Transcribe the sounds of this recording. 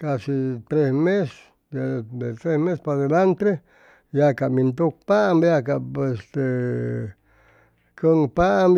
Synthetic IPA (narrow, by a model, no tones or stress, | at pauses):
kasit̪ɾesmes | d̪ed̪et̪ɾesmespad̪elant̪ɾe | jakamĩnt̪uk̚paʔmbjakapest̪e | kəŋpam